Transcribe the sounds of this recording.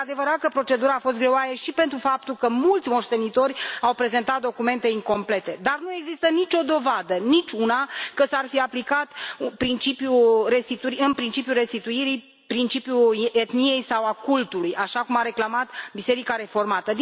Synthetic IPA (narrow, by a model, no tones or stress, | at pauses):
ad̪e̞vəɾat̪̚kəpɾo̞t͡ʃe̞d̪uɾaːfo̞s̬t̪̚ɡɾe̞oajeʃipe̞nt̪ɾufap̚t̪ulkəmult̪sʲmo̞ʃt̪e̞nit̪o̞rʲawpɾe̞ze̞nt̪at̪̚d̪o̞kume̞nt̪e̞iŋko̞mple̞t̪e̞d̪arnue̞ɡzist̪ənit͡ʃʲo̞d̪o̞vad̪ənit͡ʃʲunakəsarfiaplikat̪pɾint͡ʃipjure̞st̪it̪uɾiɨnpɾint͡ʃipjure̞st̪it̪uiɾi | pɾint͡ʃipjuet̪nije̞jsawakult̪ulujaʃakumaɾe̞klamat̪bise̞ɾikaɾe̞fo̞rmat̪əd̪